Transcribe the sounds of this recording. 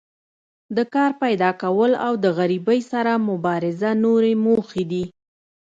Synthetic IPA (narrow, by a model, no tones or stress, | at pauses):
d̪əkɑɾpajd̪ɑkawəlawd̪əɣaɾibəjsaɾamʊbɑɾɪzanoɾemoxed̪i